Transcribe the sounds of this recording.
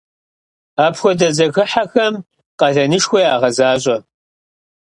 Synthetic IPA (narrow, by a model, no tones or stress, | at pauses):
aːpʰxʷɔdɐzɐɣɨħaxɐm | qɐɮɐnɨʂxʷɔjaːʁɐzaːɕʼɐ